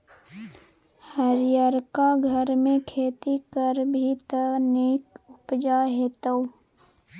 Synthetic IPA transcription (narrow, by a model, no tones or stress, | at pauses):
həɾjəɾkaɡʱəɾmẽkʰeːt̪ikəɾbʱit̪əneːkʊpd͡ʒaɦet̪əu